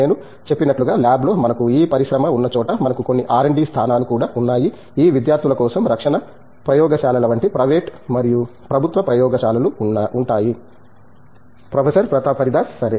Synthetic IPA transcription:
e̞ːnu | t͡ʃe̞pːinɐʈluɡaːlaːblo̞ːmɐnɐkuiːpɐɾiʃɾɐmɐunːɐt͡ʃɔːʈɐmɐnɐkuko̞nːiʔaːɾeɳɖiːst̪ʰaːnaːlukuːɽaːunːaːji | iːʋid̪jaːɾt̪ʰjilɐkɔːsɐmɾɐkʂɐɳɐ | pɾɐjɔːɡɐʃaːlɐlɐʋɐɳʈipɾɐʋeːʈmɐɾiju | pɾɐbʱut̪ʋɐpɾɐjɔːɡɐʃaːlɐluuɳʈaːji | pɾɐpʰesɐɾpɾɐt̪ɐpɐɾid̪aːssɐɾe

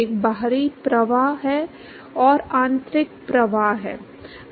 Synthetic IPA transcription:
ek̚baɦɾipɾɐʋaːɦɦɛ | ɔːɾãːnt̪ɾɪk̚pɾɐʋaːɦɦɛ̰ː

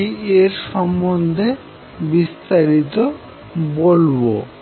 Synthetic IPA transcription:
ieɾʃɔmːond̪ʱe | bist̪aɾit̪o | bolbo̰

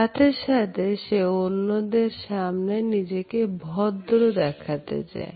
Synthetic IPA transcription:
at̪ʰeʃat̪ʰeʃeonːod̪eɾʃamnenid͡ʑekebʱɔd̪ɾod̪ɛkʰat̪ḛt͡ɕa̰e

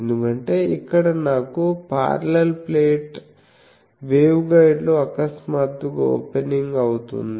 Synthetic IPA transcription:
end̪ukɐɳʈe̞ːikːɐɽɐnaːkupa̰ːɾlɐlpleːʈ | ʋeːwɡɐjɖloːɐkɐsmaːt̪ːuɡɐo̰ːpeniŋɡɐwut̪ṵnd̪i

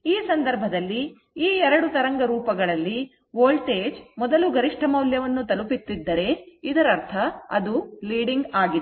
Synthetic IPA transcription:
iːsɐnd̪ɐɾbʱɐd̪ɐlːi | iːɛɾɐɽut̪ɐɾɐŋɡɐɾuːpɐɡɐɭɐlːi | ʋoːlʈeːd͡ʒmɔd̪ɐluɡɐɾiʂʈʰɐmɐwljɐʋɐnːut̪ɐlupit̪ːid̪ːɐɾe̞id̪ɐɾɐɾt̪ʰɐɐ̰d̪uliːɽiŋɡaːɡid̪

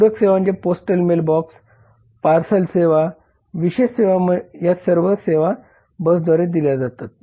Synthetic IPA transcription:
uɾəkseʋãɲt͡ɕaposʈəlmelbɔks | paɾsəlseʋa | ʋiɕeɕseʋaməjasəɾʋəseʋa | bəsd̪ʱʋaɾed̪iljad͡zat̪at̪̚

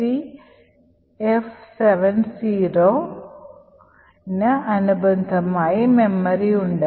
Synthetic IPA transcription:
i | efseʋɐnsiːɾoː | nɐɐnubɐnd̪ʱɐmaːjimemːɐɾiuɳɖɐ

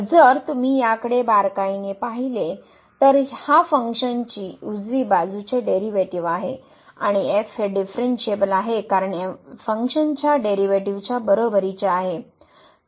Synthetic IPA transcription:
əd͡zəɾt̪um̤iːjakəɽebaɾkainepaɦile | t̪əɾhafəŋkʂənt͡ɕiːud͡zʋiːbad͡zʱut͡ɕeɖeɾiʋeʈiʋaɦe | aɽ̃iefɦeɖifɾeɳʈɕebəlaɦekaɾəɳefəŋkʂənt͡ɕjaɖeɾiʋeʈiʋt͡ɕjabəɾobəɾit͡ɕeaɦe

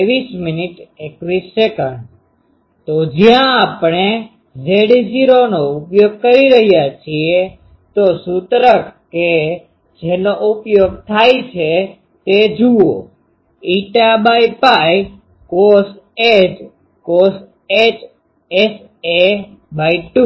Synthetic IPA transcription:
eʋisminiʈekʋisekəɳɖ | t̪od͡ʒjãːpɳe | zeɽd͡ʒiɾonoupjoɡ̚kəɾiɾəɦijat͡ʃʰie | t̪osut̪ɾəkʰke | d͡ʒenoʔupjoɡ̚t̪ʰajt͡ʃʰe | t̪ed͡ʒuo | iʈabajpaj | kos | ed͡ʒ | kos | et͡ʃ | es | e | baiʈu

